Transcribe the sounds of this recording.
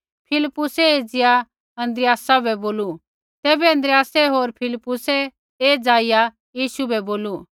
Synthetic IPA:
pʰɪlɪpːʊsɛeːd͡zɪja | ɐ̃nd̪ɾɪjaːsabɛboːlu | t̪ɛːbɛɐ̃nd̪ɾɪjaːsɛɦoːɾpʰɪlɪpːʊsɛ | eːd͡zaːɪja | jiːʃubɛboːlu

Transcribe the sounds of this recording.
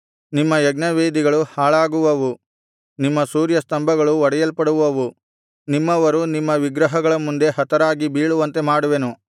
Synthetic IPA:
nimːɐjɐɡnɐʋeːd̪iɡɐɭuhaːɭaːɡuʋɐʋu | nimːɐsuːɾjɐst̪ɐmbʱɐɡɐɭuɔɽɐjɐlpɐɽuʋɐʋu | nimːɐʋɐɾunimːɐʋiɡɾɐɦɐɡɐɭɐmund̪e̞ɦɐt̪ɐɾaːɡibiːɭuʋɐnt̪e̞maːɽuʋenu

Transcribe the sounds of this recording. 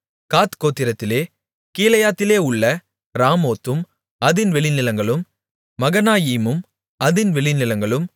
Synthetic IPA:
kaːt̪koːt̪ːɪɾɐt̪ːɪleː | kiːlɐjaːt̪ːɪleːʊɭːɐ | ɾaːmoːt̪ːɯm | ɐðɪnʋɛɭɪnɪlɐŋɡɐɭɯmː | ɐɣɐnaːjiːmɯm | ɐðɪnʋɛɭɪnɪlɐŋɡɐɭɯm

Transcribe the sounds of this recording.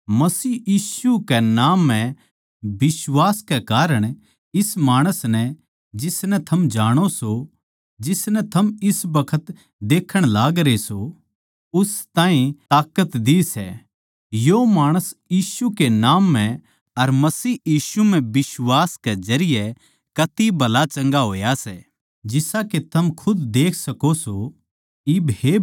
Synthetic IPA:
mɐsiːjiːsukɛnaːmːɛ̃ | bɪswaːskɛkaːɾəɽ̃ | ɪsmaːɽ̃əsnɛ | d͡ʒɪsnɛ̃t̪ʰɐmd͡ʒaːɽ̃oso | d͡ʒɪsnɛ̃t̪ʰɐmɪsbɐkʰət̪ | d̪eːkʰəɽ̃laːɡɾeso | ʊst̪ãːĩt̪aːkət̪d̪isɛ̰ | jomaːɽ̃əsjiːsukenaːmːɛ̃ | ɐɾmɐsiːjiːsum̤ɛ̃bɪswaːskezɐɾɪjɛ | kɐt̪ibʱɐlat͡ʃɐ̃ŋɡaɦoːjasɛː | d͡ʒɪsaket̪ʰɐmkʰʊd̪d̪eːkʰsɐkoso | ɪbɦe

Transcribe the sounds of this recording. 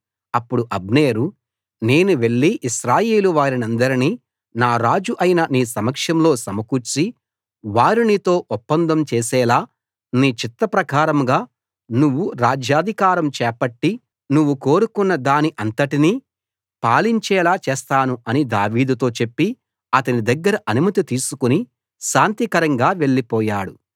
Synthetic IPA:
ɐpːuɽuʔɐbneːɾu | ne̞ːnuʋe̞ɭːiʔiʃɾaːje̞ːluʋaːɾinɐnd̪ɐɾini | naːɾaːd͡ʒuʔɐjinɐniːsɐmɐkʂɐmlo̞ːsɐmɐkuɾt͡ʃi | ʋaːɾinit̪o̞ːʔɔpːɐnd̪ɐmt͡ʃeːsɛːlaː | niːt͡ʃit̪ːɐpɾɐkaːɾɐmɡaː | nuʋːuɾaːd͡ʒʱjaːd̪ʱikaːɾɐmt͡ʃɛːpɐʈːi | nuʋːuko̞ːɾukunːɐd̪aːniʔɐnt̪ɐʈiniː | paːliɲt͡ʃɛːlaːt͡ʃɛːst̪aːnuɐnid̪a̰ːʋiːd̪ut̪o̞ːt͡ʃe̞pːi | ɐt̪ɐnid̪ɐɡːɐɾɐʔɐnumɐt̪it̪iːsukuni | ʃaːnt̪ikɐɾɐŋɡaːʋe̞ɭːipɔːjaːɽu

